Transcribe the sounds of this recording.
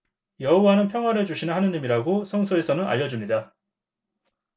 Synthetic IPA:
jʌɦowanɯnpʰjʌŋwaɾɯd͡ʑuɕʰinɯnhanɯɲimiɾaɡosʰʌŋsʰoe̞sʰʌnɯna̰ʎːʌd͡ʑumɲida

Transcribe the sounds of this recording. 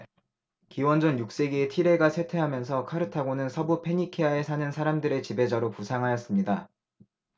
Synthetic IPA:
kiwʌnd͡ʑʌnjuk̚s͈e̞ɡeːtʰiɾe̞ɡasʰe̞tʰe̞ɦamjʌnsʰʌkʰaɾɯtʰaɡonɯnsʰʌbupʰe̞ɲikʰiae̞sʰanɯnsʰaɾamdɯɾe̞t͡ɕibe̞d͡ʑʌɾopusʰaŋɦajʌs͈ɯmɲida

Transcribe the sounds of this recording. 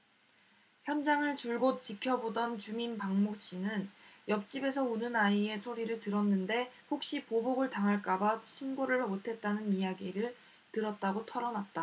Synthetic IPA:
çjʌnd͡ʑaŋɯɭt͡ɕuɭɡot̚t͡ɕ͈ikʰjʌbodʌnt͡ɕuminpaŋmok̚ɕ͈inɯnjʌp̚t͡ɕ͈ibe̞sʰʌunɯnaie̞sʰoɾiɾɯɭtɯɾʌnːɯnde̞hok̚ɕ͈ipoboɡɯɭtaŋɦaɭk͈abaɕʰinɡoɾɯɭotʰe̞t̚t͈anɯnijaɡiɾɯɭ | tɯɾʌt̚t͈aɡotʰʌɾʌnat̚t͈a

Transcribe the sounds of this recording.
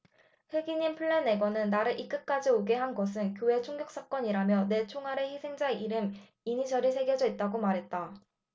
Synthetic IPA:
ɸwe̞ɡiɲimpʰɯɭːe̞ne̞ɡwʌnɯnːaɾɯɭʔik͈ɯk̚k͈ad͡ʑioɡe̞ɦanɡʌsʰɯnkjoe̞t͡ɕʰoŋɡjʌk̚s͈ak͈ʌɲiɾamjʌne̞t͡ɕʰoŋɦaɾe̞çisʰe̞ŋd͡ʑaiɾɯm | iɲid͡ʑʌɾisʰe̞ɡjʌd͡ʑʌit̚t͈aɡomaɾɦe̞t̚t͈a

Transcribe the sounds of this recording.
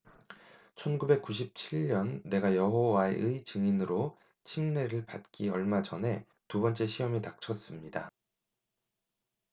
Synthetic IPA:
t͡ɕʰʌnɡube̞k̚k͈uɕ̬ʰip̚t͡ɕʰiɭɲʌnːe̞ɡajʌɦowae̞̰ʔɯit͡ɕɯŋinɯɾo | t͡ɕʰiŋne̞ɾɯɭpat̚k͈iʌɭmad͡ʑʌnɦe̞ | tubʌnt͡ɕ͈e̞ɕʰiʌmitak̚t͡ɕʰʌs͈ɯmɲida̰

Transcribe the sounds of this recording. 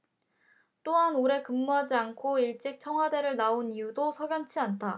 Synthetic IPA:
t͈oɦanoɾe̞kɯmːuɦad͡ʑiankʰoiɭt͡ɕ͈ik̚t͡ɕʰʌŋɦwade̞ɾɯɭnaonijudosʰʌɡjʌnt͡ɕʰiantʰa

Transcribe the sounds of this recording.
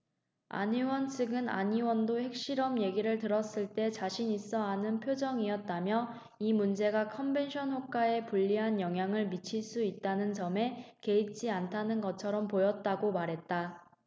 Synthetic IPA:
a̰ɲiwʌnt͡ɕʰɯɡɯna̰ɲiwʌndohe̞k̚ɕ͈iɾʌmje̞ɡiɾɯɭtɯɾʌs͈ɯɭt͈e̞t͡ɕaɕʰiɲis͈ʌanɯnpʰjod͡ʑʌŋiʌt̚t͈amjʌ | imund͡ʑe̞ɡakʰʌmbe̞nɕʰʌnɦwok̚k͈ae̞puʎːiɦanjʌŋɦjaŋɯɭmit͡ɕʰiɭs͈uit̚t͈anɯnt͡ɕʌme̞ke̞it͡ɕ͈ʰiantʰanɯnɡʌt͡ɕʰʌɾʌmpojʌt̚t͈aɡomaɾɦe̞t̚t͈a

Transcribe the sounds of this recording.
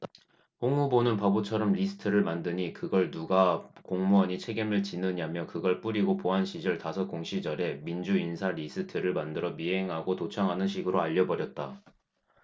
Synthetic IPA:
hoŋubonɯnpabot͡ɕʰʌɾʌmʎisʰɯ̥tʰɯɾɯɭmandɯɲikɯɡʌɭnuɡakoŋmʌɲit͡ɕʰe̞ɡimɯɭt͡ɕinɯɲamjʌkɯɡʌɭp͈uɾiɡopoɦanɕʰid͡ʑʌɭtasʰʌkoŋɕʰid͡ʑʌɾe̞mind͡ʑuinsʰaɾisʰɯtʰɯɾɯɭmandɯɾʌmiɦe̞ŋɦaɡotot͡ɕʰʌŋɦanɯnɕ̬ʰiɡɯɾoaʎːʌbʌɾjʌt̚t͈a

